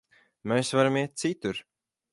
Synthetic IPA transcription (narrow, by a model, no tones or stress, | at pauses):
mɛjsvaɾamiɛt̪̚t̪sit̪uɾ